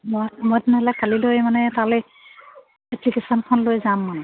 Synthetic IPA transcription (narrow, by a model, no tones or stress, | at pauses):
mɔjmɔjtɛnɦɛlakʰːalilojmanɛtalɛ | ɛplikesɔnkʰɔnlojzamːanɛ